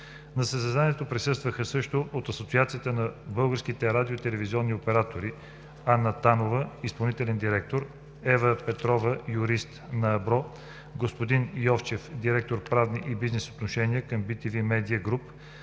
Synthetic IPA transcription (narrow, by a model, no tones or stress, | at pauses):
nɐsəszɛzaniɛt̪opɾisɤst̪vəxəsɤʃt̪oʔot̪ɐsot̪siat̪sijət̪ənɐbɤlˠɡəɾsk̟it̪ɛɾad̪ʲiot̪ɛlɛviziɔnːiopɛɾat̪oɾi | anət̪anovəispɐlˠnit̪ɛlɛnd̪iɾɛk̚t̪oɾ | ɛvəpɛt̪ɾɔvəjʊɾist̪nɐːbɾɔ | ɡospod̪injɔft͡ʃɛfd̪iɾɛk̚t̪oɾpɾavniʔibiznɛso̥t̪noʃɛniəkəmbit̪ivimɛd̪iəɡɾup